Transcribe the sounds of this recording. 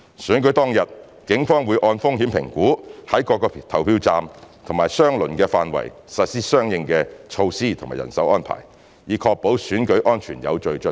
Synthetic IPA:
syː˨˥nkɵ˨˥jt̪ɔː˥ŋjɐ˨t̚ | kɪ˨˥ŋfɔː˥ŋwuː˨˧jʔɔː˧nfʊ˥ŋɦiː˨˥mpʰɪ˨˩ŋkuː˨˥hɐ˨˥jkɔː˧kːɔː˧t̪ʰɐ˨˩wpʰiː˧wt͡saː˧mt̪ʰʊ˨ŋmaː˨jsœː˥ŋlɵ˨˩nkɛː˧faː˨nwɐ̰˨˩jsɐ˨t̚siː˥sœː˥ŋjɪ˧ŋkɛː˧t͡ʃʰo˧wsiː˥t̪ʰo˨˩ŋmaː˨˩jɐ̰˨˩nsɐ˨˥wʔɔː˥npʰa̰ː˨˩j | jiː˨˧kʰɔː˧k̚po˨˥wsyː˨˥nkɵ˨˥ɥʔɔː˥nt͡ʃʰyː˨˩njɐ̰˨˧wt͡ʃɵ˧ɥt͡ʃɵ˥

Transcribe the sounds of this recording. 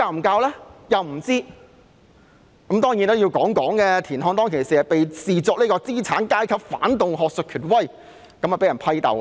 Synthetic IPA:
aː˧˩m̩˨˩kaː˧wlɛː˥jɐ˨wm̩˨˩t͡siː˥ | kɐ˨˥mt̪ɔː˥ŋjiː˨˥nt̪o˥wji˧wkɔː˨˥ŋkɔː˨˥ŋkɛː˧t̪ʰiː˨˩nɦɔː˧ŋt̪̬ɔː˥ŋkʰe˨˩siː˨ɐ˨pe˨jsiː˨t͡sɔː˨˥kniː˥kɔː˧t͡siː˥t͡sʰaː˨˥nkaː˥jkʰɐ˨˧p̚fa̰ː˨˥nt̪ʊ˨ŋɦɔː˨k̚sɵ˨kʰyː˨˩n̚wɐ˥˩j | kɐ˨˥mɐ˨˩pe˨˥jɐ˨˩npʰɐ˥jt̪ɐ̰˨w

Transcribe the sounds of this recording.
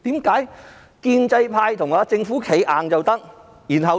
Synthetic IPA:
t̪iː˨˥mkaː˨˥j | kiː˧nt͡sɐ˧jpʰaː˧jt̪ʰʊ˨˩ŋaː˨˧t͡sɪ˧ŋfuː˨˥kʰe˨˥jʔaː˨ŋt͡sɐ˨wt̪ɐ˥k̚ | jiː˨˩nɦɐ˨w

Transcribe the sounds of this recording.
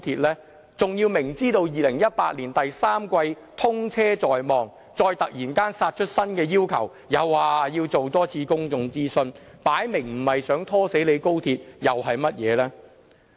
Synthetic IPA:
t̪ʰiː˧t̚lɛː˥ | t͡sʊ˨ŋjiː˧wmɪ˨˩ŋt͡siː˥t̪o˧wjiː˨lɪ˨˩ŋjɐ˥t̚paː˧t̚liː˨˩nt̪ɐ˨jsaː˥mkʷɐ˧j | t̪ʰʊ˥ŋt͡sʰɛː˥t͡sɔː˨jmɔː˨˩ŋ | t͡sɔː˧jt̪ɐ˨k̚jiː˨˩nkaː˥nsaː˧t̚t͡ʃʰɵ˥t̚sɐ˥nkɛː˧jiː˥wkʰɐ˨˩w | jɐ˨˧waː˨jiː˧wt͡so˨wt̪ɔː˥t͡sʰiː˧kʊ˥ŋt͡sʊ˧ŋt͡siː˥sɵ˧n | paː˨˥jmɪ˨˩ŋm̩˨˩hɐ˨jsœː˨˥ŋt̪ʰɔː˥se˨˥jle˨˧jko˥wt̪ʰiː˧t̚jɐ˨wɦɐ˨jmɐ˥t̚jɛː˨˧lɛː˥

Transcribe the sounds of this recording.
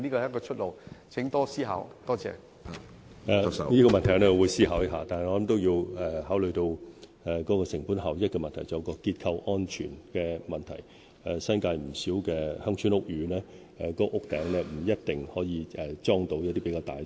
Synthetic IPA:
niː˥kɔ˧˨jɐ˥kɔː˧t͡ʃʰɵ˥t̚lo˨˩wt͡sʰɪ˨˥ŋt̪ɔː˥siː˥ɦa̰ː˨˥wt̪ɔː˥t͡sɛ̰ː˧ | ɛː˧˨niː˥kɔː˧mɐ˨nt̪ʰɐ˨˩˦nɛː˥˨˧wuː˨˧jsiː˥haː˨˥wjɐ˥ɦaː˨˧t̪aː˨nhjŋɔː˨˧lɐ˨˦mt̪o˥wjiː˧wɛ˨˩hɦaː˨˥wlɵ˨ɥt̪o˧w | ɛ˨kɔː˨˥kɔː˧sɪ˨˩ŋpuː˨˥nhaː˨˩wjɐ˥t̚kɛː˧mɐ˨nt̪ʰɐ˨˩jt͡sːjɐ˧kɔː˧kiː˧t̚kʰɐ˧wʔɔː˥nt͡ʃʰy̰ː˨˩nkɛː˧mɐ˨nt̪ʰɐ˨˩j | ɛ˨sɐ˥nkaː˧jm̩˨˩siː˨˥wkɛː˧hɐ˥ŋt͡ʃʰyː˥nʊ˥k̚jyː˨˧˥nɛː˥ | ɛ˨kɔː˨˥ʔʊ˥k̚t̪ɛː˨˥ŋlɛː˥m̩˨˩jɐ˥t̚t̪ɪ˨ŋhɔː˨˥jiː˨˧ɛ˨t͡sɔː˥ŋt̪o˨˧wjɐ˥t̪i˥pe˨˧˥kaː˧wt̪aː˨j

